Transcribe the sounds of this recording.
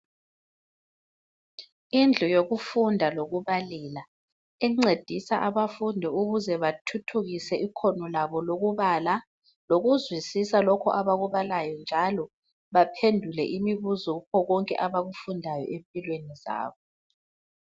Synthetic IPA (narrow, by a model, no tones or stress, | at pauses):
ind͡ɮʱɔjoɣufundʱaloɣuβaliːla | iŋ͡ǀed̥ʱisaʔaβafundʱiuɣuzɛβatʰutʰuɣisɛʔikʰɔnɔlaβɔloɣuβaːla | loɣuzwisisalɔkʰɔ̰ʔaβaɣuβalajɔnd͡ʒʱalɔ | βapʰendʱulɛ̰ʔimiβuzukɔɣɔŋkʼɛ̰ʔaβaɣufundʱajɔ̰ʔempʼilweniza̰ːβɔ